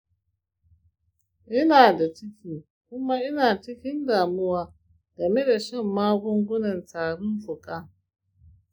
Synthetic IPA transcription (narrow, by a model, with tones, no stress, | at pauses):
ʔɪ˦naː˨da˨t͡ʃɪ˦kʲiː˨ | kʷʊ˦ma˦ʔɪ˦naː˨t͡ʃɪ˦kʲɪ˦ndaː˨mʊ˦waː˦ | ɡɐ˨me˦da˨ʃɛ˦˨mːaː˦ɡʷʊ˦ŋɡʷʊ˦nɐ˨ntaː˨ɽʊ˦nɸʊ˨kʼa˦